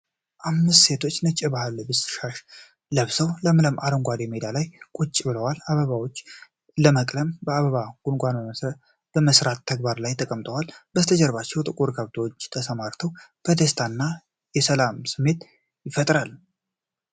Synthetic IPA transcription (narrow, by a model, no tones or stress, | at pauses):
ʔamːɨst̪se̞t̪ʰo̞t͡ʃːnət͡ʃʼːɪbahlbɨsɨ̥ʃaʃ | ləβsəwləmɨləmʔa̰ɾəŋɡʷad̪emed̪alajkʼut͡ʃʼːbɨləwalaβəβawo̞t͡ʃː | ləməkʼləmbəaβəβaɡ̥unɡʷanbəm | b̥əməsɾat̪ʰːəɡ̚baɾlajt̪ʰəkʼəmt̪ʼəwalbət̪ʰəd͡ʒəɾβat͡ʃːɛwt̪ʼɨkʼuɾkʰəβt̪ʰəwot͡ʃːt̪ʰəsəmaɾt̪ʰəwkʰəd̪əst̪ʰanːa | jɛsəlamsɨmːe̞t̪ | jɪfət̪ʼɾal